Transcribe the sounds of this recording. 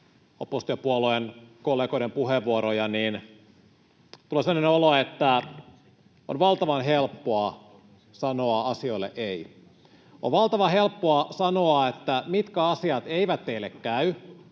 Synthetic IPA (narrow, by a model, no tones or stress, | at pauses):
opost̪iɑpuoloenkolːeːɡo̞iɾempuheʋʋuoɾojɑniːn | t̪uleseːoneoloet̪ːæ | o̰nʋɑlt̪ɑʋɑnɦelpːoɑ | sɑnoɑɑsio̞ilːḛʔei | o̰ʋʋɑlt̪ɑʋɑɦe̞lpːoɑsɑnoɑet̪ːæmit̪kæɑsiɑt̪eiʋæt̪ːeilːekkæy